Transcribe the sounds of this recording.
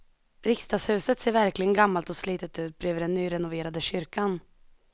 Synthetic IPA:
ɾɪkst̪ɑːshʉ̟ːsət̪seːɾvæɾklɪɡənɡamːalt̪ɔsliːt̪ət̪ʉ̟ːt̪̚bɾøːvəɖɛnːyːɾɛnʊveːɾad̪əɕʏɾkan

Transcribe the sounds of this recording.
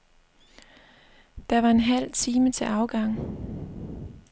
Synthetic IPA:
d̥ɑ̈ʋɑ̈e̝nɦæl̰t͡sʰiːmət͡sʰe̝ɑ̈ʊɡ̥ɑ̈ŋ̰

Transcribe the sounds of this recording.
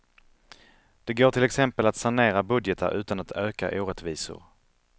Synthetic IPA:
d̪̥ɛɡoːʈʰɪlɛksɛmpəlat̪saneːɾabɵd̪jət̪ə̰ɾʉ̟ːt̪anat̪øːka̰ʔuːɾɛt̪viːsʊ̰ɾ

